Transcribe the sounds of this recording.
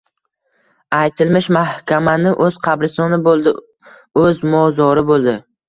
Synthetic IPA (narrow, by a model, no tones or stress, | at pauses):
ajt̪ʰɪlmɪʃmahkʲʰamanɪʔɵz̥qʰɑbɾɪsɒnɪbolˠd̪ɪ | ɵzmɒzɒɾɪbolˠd̪ɪ